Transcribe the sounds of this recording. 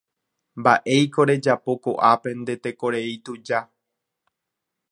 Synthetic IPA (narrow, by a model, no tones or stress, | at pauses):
mbaʔe̞jko̞ɾe̞d͡ʒapo̞koʔape̞nd̪e̞t̪e̞ko̞ɾe̞it̪ud͡ʒa